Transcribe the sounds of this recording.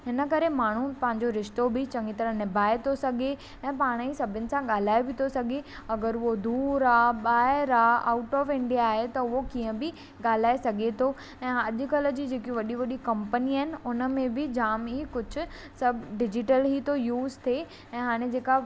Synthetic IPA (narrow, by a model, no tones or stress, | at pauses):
ɦɪnəkɐɾemaːɳ̤upɐ̃ɦɪ̃ɲ̆d͡ʑoɾɪʃt̪obɪt͡ɕɐ̃ŋɡit̪ɐɾə̃ɦnɪbʱaːet̪ʰosɐɡʱe | ɛ̃ːpaːɽ̃isɐbʱɪnɪ̆sãɠaːl̤aːebɪt̪ʰosɐɡʱe | ɐɡəɾʊod̪uːɾaːɓaːɦɪɾaa̰ːʊʈɔːfɪ̃ɳɖijaːɦet̪ɐʊɦokiːə̃bɪ | ɠaːl̤aːesɐɡʱet̪ʰo | ɛ̃ːɐʄʊ̆kɐlə̆d͡ʑiːd͡ʑeːkiʋɐɗiʋɐɗikɐ̃mpəniaːɦɪnɪ̆ʊnə̆mẽbɪd͡ʑaːmikʊd͡ʑʱʊ̆ | sɐbʱɖɪd͡ʑɪʈəlɦit̪ojuːzt̪ʰe | ɛ̃ːɦaːɽ̃ẽd͡ʑeːka